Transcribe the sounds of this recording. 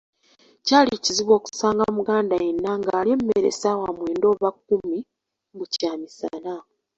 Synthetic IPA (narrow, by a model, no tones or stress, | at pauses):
caːliciziβwo̞ːku̥saːŋɡamuɡaːndajenːaŋɡaːliemːeɾḛsawamwe̞ːndo̞ːβakːumi | bucaːmisa̰na